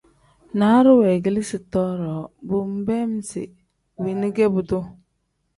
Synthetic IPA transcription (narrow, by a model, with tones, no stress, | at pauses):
na˨˦ɾʊ˦wɛ˨ɡi˦li˦sɪ˨tɔ˦ɾɔː˨bʊ˦m̩˦bɛ˦m˦sɪ̰˨ | wi˨nɪ˦ɡe˦bʊ˨dʊ˦